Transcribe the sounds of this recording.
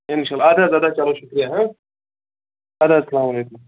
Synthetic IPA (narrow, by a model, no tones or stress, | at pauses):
ɪnʃalːɐd̪azjaːd̪at͡ʃalowʃʊkɾijaɦã | ɐd̪aɐsɐlaːmɐleːkʊm